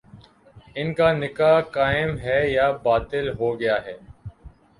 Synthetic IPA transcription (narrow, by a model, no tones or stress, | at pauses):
ɪnkaːnɪkaːkaːɪmɦɛːjaːbaːt̪ɪlɦoːɡɪjaːɦɛː